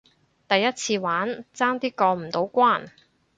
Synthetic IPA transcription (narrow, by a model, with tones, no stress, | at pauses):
t̪ɐ˨jːɐ˥t̚t͡sʰiː˧waː˨˥nt͡saː˥ŋt̪iː˥kɔː˧m̩˨˩t̪o˨˥wkʷaː˥˩n